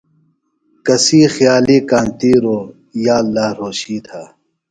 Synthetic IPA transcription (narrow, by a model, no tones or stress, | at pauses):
kɐsiːxjaːliːkaːnt̪iːɾoː | jaːlːaːɾoːɕiːt̪ʰaː